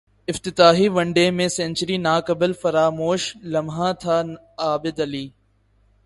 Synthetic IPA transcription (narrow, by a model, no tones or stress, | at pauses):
ɪft̪ɪt̪aːɦiːʋɐ̃ɳɖeːmẽːsẽːnt͡ʃəɾiːnaːkɐbəlfɐɾaːmoːʃlɐmɦãːt̪ʰaːn | aːbɪd̪ɐliː